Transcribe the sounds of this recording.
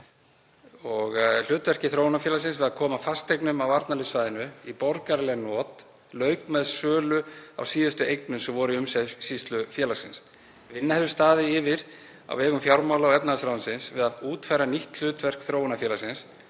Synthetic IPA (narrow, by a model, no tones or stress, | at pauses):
ɔɣl̥ʏːt̪vɛr̥cɪθɾoːwnafjɛːlasɪnsvɪðaðkʰɔːmafast̪ejknʏmawaɾt̪nalɪt̪svaːjðɪnʏipɔɾkaɾlɛɣnɔːt̪ | lœːɥkmɛðsœːlʏa̰wsiːðʏst̪ʏejknʏmsɛmvɔɾʏʏmsɛsist̪lʏfjɛːlasɪns | vɪnːahɛðvʏst̪aːðɪɪvɪɾ | a̰wɛːɣʏmfjawɾmawlawɛpnaðsɾawʏnsɪnsvɪðauːt̪fajɾaniht̪l̥ʏːt̪vɛr̥kθɾoːwnafjɛːlasɪns